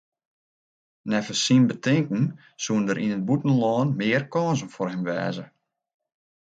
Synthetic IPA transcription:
nɛfəsinbətɪŋkn̩ | suəndəɾʔinət̚butən̩lɔːnmɪərkɔːnzən̩forɦɛmʋɛ̰ːzə

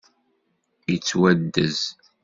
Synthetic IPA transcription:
jət͡sːwæd̪ːəz

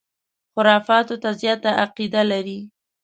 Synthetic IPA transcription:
xʊɾɑfɑt̪ot̪azjɑt̪aʔaqid̪alaɾi

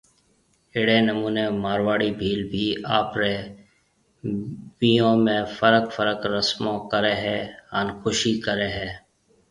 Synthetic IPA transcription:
ɪɽeːnəmuːneːmaːɾʋaːɽiːbʱiːlbʱiːaːpɾeː | ʋiːjõːmẽːfʰəɾəkfəɾəkɾəsmõːkəɾeːɦɛːənxʊʃiːkəɾeːɦɛː

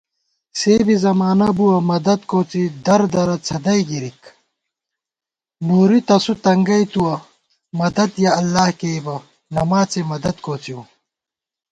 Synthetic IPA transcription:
seːbizɐmaːnɐbuwɐmɐd̪ɐd̪koːt͡sid̪ɐɾd̪ɐɾɐt͡sʰɐd̪ɐjɡiɾik | nuːɾit̪ɐsut̪ɐŋɡɐjt̪uwɐ | mɐd̪ɐd̪jɐɐlːaːhkeːbɐ | nɐmaːt͡semɐd̪ɐd̪̚koːt͡siu

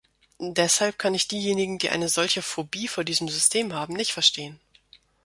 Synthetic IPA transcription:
dɛshalp̚kʰanɪçd̥iːjeːnɪɡŋ̩diːʔa̰ɪnəzɔlçəfobiːfoːɐdiːzəmzʏstʰeːmɦaːbm̩nɪçtfɛɐʃtʰeːən

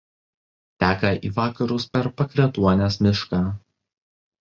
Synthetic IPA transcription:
t̪ʲæːkɐʔiːʋɑːkɐɾʊspʲɛɾpɐkɾʲɛt̪uɔnʲɛsmʲɪʃkɑː

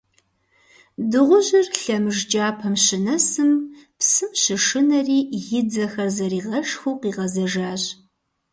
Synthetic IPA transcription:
dɨʁʷʊʑɪrɬɐmɨʒd͡ʒaːpʰɐmɕɪnɐsɨmpsɨmɕɪʂɨnɐriːjɪd͡zɐxɐrzɐɾiːʁɐʂxuːqiːʁɐzɐʒaːɕʼ

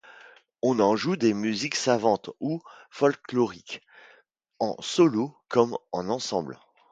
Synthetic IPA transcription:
ɔ̃nɑ̃ʒud̪emyziksavɑ̃t̪ufɔlklɔʁik | ɑ̰̃sɔlokɔmɑ̃nɑ̃sɑ̃bl

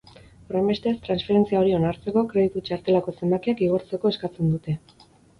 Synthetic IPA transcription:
o̞ɾe̞mbest̪est̪ɾansfe̞ɾe̞nt͡siao̞ɾio̞naɾt͡se̞ko̞kɾe̞ðit̪ut͡ʃaɾt̪e̞lako̞se̞mbakiakiɣ̞o̞ɾt͡se̞ko̞e̞skat͡se̞nd̪ut̪e̞

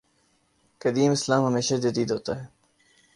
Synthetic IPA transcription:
kəd̪iːmɪslaːmɦəmeːʃad͡ʒət̪iːd̪ɦoːt̪aːɦɛː

